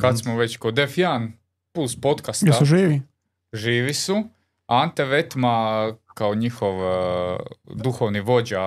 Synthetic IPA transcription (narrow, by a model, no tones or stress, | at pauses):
kad̪smoʋet͡ɕkod̪efjan | puːspo̞t̪kastjesuʒiːʋi | ʒiːʋisu | ant̪eʋet̪makaoɲixoʋ | d̪uxoʋniʋo̞d͡ʑa